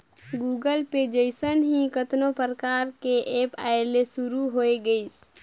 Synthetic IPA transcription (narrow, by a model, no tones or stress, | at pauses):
ɡuːɡəlped͡ʒəɪsənɦĩkət̪nopəɾəkaːɾkeʔeːpaːelesuɾuɦoeɡəis